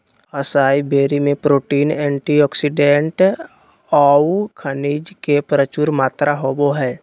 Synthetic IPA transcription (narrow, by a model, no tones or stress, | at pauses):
əsaːibeːɾimẽpɾoːʈiːnɛ̃ːɳʈiɔːksiɖẽɳʈ | ɔːkʰəniːd͡ʒkepɾət͡ʃuːɾmaːt̪ɾaɦoboɦɛː